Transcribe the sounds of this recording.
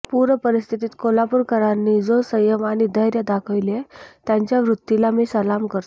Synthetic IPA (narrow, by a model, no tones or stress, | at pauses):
puɾəpəɾist̪ʰit̪iːt̪kolapuːɾkəɾanːiːd͡zosəjəmaɽ̃id̪əjɾjəd̪akʰəʋlet̪jaɲt͡ɕjaʋɾut̪ːilamiːsəlamkəɾt̪o